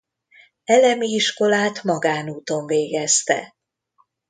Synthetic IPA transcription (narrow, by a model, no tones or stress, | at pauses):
ɛlɛmiiʃko̞laːt̪mɒɡaːnuːt̪o̞ɱveːɡɛst̪ɛ̰